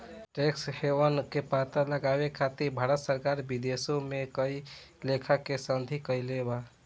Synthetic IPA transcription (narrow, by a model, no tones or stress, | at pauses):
ʈeksheʋənkepat̪ələɡabekʰat̪iɾbʱaɾət̪səɾkaɾbid̪esomekəilekʰakesənd̪ʱikəjleba